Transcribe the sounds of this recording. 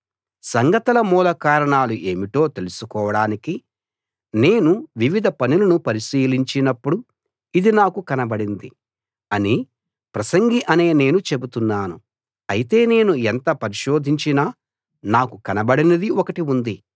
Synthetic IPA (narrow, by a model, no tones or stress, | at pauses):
sɐŋɡɐt̪ɐlɐmuːlɐkaːɾɐɳaːluʔe̞ːmiʈo̞ːt̪e̞lusukɔːʋɐɽaːniki | ne̞ːnuʋiʋid̪ʱɐpɐnulɐnupɐɾiʃiːliɲt͡ʃinɐpːuɽu | id̪inaːkukɐnɐbɐɽind̪i | ɐni | pɾɐsɐŋɡiʔɐne̞ːne̞ːnut͡ʃe̞but̪unːaːnu | ɐjit̪e̞ːne̞ːnuent̪ɐpɐɾiʃo̞ːd̪ʱiɲt͡ʃinaː | naːkukɐnɐbɐɽinɐd̪iokɐʈiund̪i